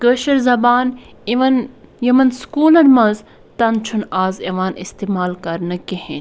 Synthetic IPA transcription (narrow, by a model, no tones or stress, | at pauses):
kəːʃɐɾzɐbaːn | ʋɐnjɐmɐnskuːlɐnmɐz | t̪ɐnt͡ʃʰunaːzeʋaːnist̪eːmaːlkɐɾnɐkehe